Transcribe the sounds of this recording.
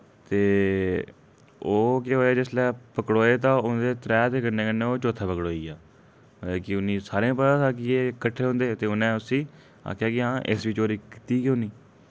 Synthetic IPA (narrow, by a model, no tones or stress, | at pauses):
t̪eː | oːkeɦoːaːd͡ʒɪslɛːpəkɽoːeːt̪̬ãːʊnd̪eːt̪ɾɛːt̪eːkəɾneːkənːẽːoːt͡ʃoːt̪ʰaːpəkɽoːiːaː | kɪʊnĩːsaːɾeãːpət̪ãːt̪aːkɪeːkəʈʰːeːɦõːnd̪eːt̪eːʊnẽːʊsĩː | a̰ːkʰjaːkɪɦãːʔḛsʋit͡ʃoːɾiːkɪt̪iːkõːnĩː